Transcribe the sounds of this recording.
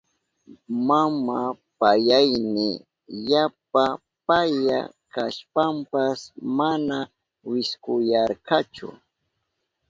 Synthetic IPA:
mamapajajnɪ | jap̚a | paja̰kaʃpampasmana | wɪskʊjɑɾkɑt͡ʃʊ̰

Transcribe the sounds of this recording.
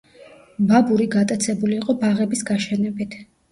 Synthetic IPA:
babuɾiɡat̪ʼat̪sʰɛbuliːqʼɔbaʁɛbisɡaʃɛnɛbit̪ʰ

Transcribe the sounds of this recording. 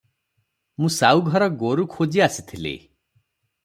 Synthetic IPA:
mũsawɡʱɔɾɔɡoɾukʰod͡ʒiasi̥t̪ʰilḛ

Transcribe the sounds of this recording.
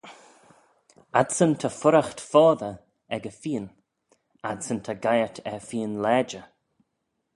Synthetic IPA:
adsənt̪ʰəfʊɾaxt̪fɔːðə | ɛɡəfiːən | ad̪sənt̪ʰaɡajətʰɛfiːnlɛːd͡ʒə

